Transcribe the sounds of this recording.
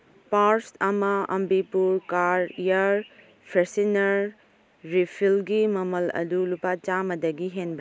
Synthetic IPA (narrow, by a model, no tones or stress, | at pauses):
paɾsɐmɐɐ̰mbipuɾkaɾijaɾ | pʰesinɐɾː | ipʰilɡimɐmɐlɐ̰dulupat͡ʃamɐdɐɡiɦenbɾa